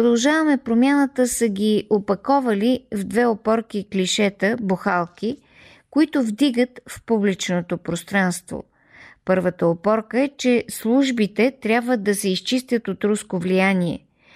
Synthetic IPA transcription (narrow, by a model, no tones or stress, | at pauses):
pɾod̪ɐlˠʒavəmɛpɾomjanət̪əsəɡʲiopɐkɔvɐlivd̪vɛopɔɾk̟iklʲiʃɛt̪əboxalˠk̟i | kʊit̪ʊvd̪iɡət̪fpublit͡ʃnot̪opɾost̪ɾanst̪vo̰ | pɤɾvət̪əopɔɾkəɛt͡ʃɛslˠuʒbit̪ɛt̪ɾʲjabvəd̪ːɐsɛist͡ʃist̪ʲjət̪ot̪ɾuskovlijaniɛ̰